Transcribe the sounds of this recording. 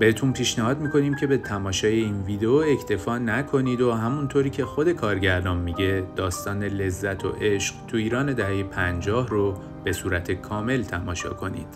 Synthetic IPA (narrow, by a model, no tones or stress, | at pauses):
b̥e̞het̪ʰuːnpʰiːʃnæhɒːd̪miːkʰo̞niːmcʰe̞be̞t̪ʰæmɒːʃɒːje̞iːnviːd̪eoecʰt̪ʰe̞fɒːnækʰo̞niːd̪oɦæmunt̪ʰoːɾiːcʰe̞xo̞d̪e̞kʰɒːɾɟæɾd̪ɒːnmiɟe̞d̪̥ɒːst̪ɒːne̞le̞zːæt̪ʰo̞̰ʔe̞ʃɢ̥t̪ʰuiːɾɒːne̞d̪æɦejepʰænd͡ʒɒːhro | b̥e̞suːɾæt̪ʰe̞kʰɒːme̞lt̪ʰæmɒːʃɒ̰ːkʰo̞nḭːd̪̥